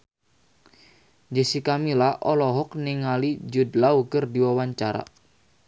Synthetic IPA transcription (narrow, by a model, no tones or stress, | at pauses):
d͡ʒəsikamilaʔɔlɔɦɔk̚niŋalid͡ʒudlaukərdiwawaɲt͡ʃaɾa̰